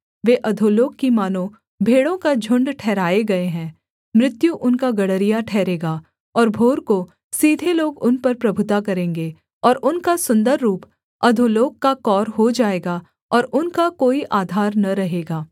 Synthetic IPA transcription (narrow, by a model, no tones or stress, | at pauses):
ʋeːʔɐd̪ʱoloːkkimaːnõ | bʱeːɽõkad͡ʒʱʊ̃ɳɖʈʰɛːɾaːeɡɐeɦɛ̃ː | mɾɪt̪juʔʊnkaɡɐɽ̤əɾijaʈʰɛːɾeːɡaː | ɔːɾbʱoːɾko | siːd̪ʱeloːɡʊnpɐɾpɾɐbʱʊt̪akɐɾẽːŋɡeː | ɔːɾʔʊnkasʊ̃nd̪əɾːuːp | ɐd̪ʱoloːɡ̚kːakɔːɾɦod͡ʒaːeːɡaː | ɔːɾʊnkakoːiʔaːd̪ʱaːɾnɐɾɐɦeːɡaː